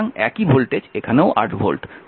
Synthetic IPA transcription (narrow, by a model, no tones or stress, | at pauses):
ŋɛkibʱolʈed͡ʑekʰaneʊʔa̰ɾʈbʱo̰lʈ